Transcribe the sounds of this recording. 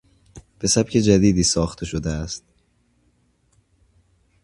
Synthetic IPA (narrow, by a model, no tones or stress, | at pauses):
b̥e̞sæbcʰe̞d͡ʒæd̪iːd̪iːsɒːxt̪ʰe̞ʃo̞d̪eæst̪̚